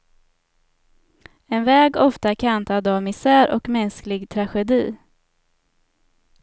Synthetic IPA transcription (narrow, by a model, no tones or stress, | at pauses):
ɛnvɛːɡɔft̪akʰant̪ad̪avmɪsæːɾʔɔkmɛnsklɪɡt̪ʰɾaɧɛd̪iː